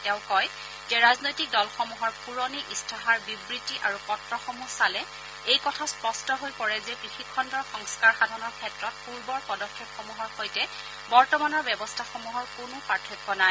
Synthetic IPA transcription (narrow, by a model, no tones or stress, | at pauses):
tɛʊ̃kɔj | zɛɹaznojtik̚dɔlxɔmuɦɔɹpuɹɔniʔistʰaɦaɹbibɹitːiʔaɹupɔtɹɔxomusalɛ | ejkɔtʰaspɔstɔɦojpɔɹɛzɛpɹixikʰːɔndɔɹxɔŋskaɹxadʱɔnɔɹkʰɛtɹɔt̚puɹbɔɹpɔdɔkʰːepxomuɦɔɹxojtɛ | bɔɹtɔmanɔɹbjɛbɔstʰaxɔmuɦɔɹkʊnʊpaɹtʰɔkːɔnaj